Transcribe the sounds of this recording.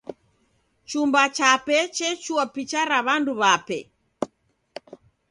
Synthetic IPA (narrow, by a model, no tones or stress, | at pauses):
t͡ʃumbat͡ʃapɛt͡ʃɛt͡ʃuapit͡ʃaɾaβanduβapɛ̰